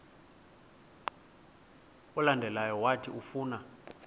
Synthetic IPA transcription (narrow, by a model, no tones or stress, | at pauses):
ulandʱɛlajɔwatʰiufuːna